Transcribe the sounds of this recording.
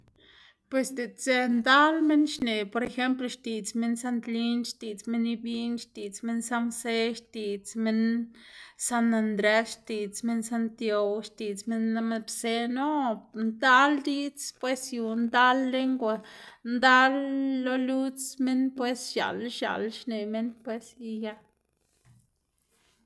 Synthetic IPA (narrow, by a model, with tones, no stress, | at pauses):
pwe˨sd̪e˨t͡se˧nd̪a˦lme˦nʃne˨po˨ɾe˧xe˦mplo˧ʃt̪i˨t͡sme˦nsa˦nt̪li˦nʃt̪i˨t͡sme˦ni˧bi˦nʃt̪i˨t͡sme˦nsa˦mse˦ʃt̪i˨t͡sme˧n | sa˦na˧nd̪ɾe˧ʃt̪i˨t͡sme˦nsa˦nt̪jo˧wʃt̪i˨t͡sme˦nːa˦me˧bse˦no˦nd̪a˦ld̪i˦t͡spwe˦sju˨nd̪a˦lːe˦ŋɡʷa˧nd̪a˦lːo˦lu˦t͡sme˦npwe˦sʃa̰˨lʃa̰˨lʃne˨me˦npwe˦si˧ja˦